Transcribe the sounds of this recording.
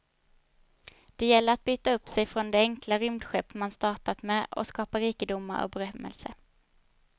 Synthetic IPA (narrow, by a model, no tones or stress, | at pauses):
d̪̥ɛjɛlːəɾat̪̚byːt̪aɵpːsɛjfɾɔnd̪ɛɛŋklaɾʏmd̪ɧɛpːmanst̪ɑːʈat̪mɛɔ̰skɑːpaɾiːkəd̪ʊmːa̰ɾɔ̰k̚bɛɾœmːɛ̰lsə̰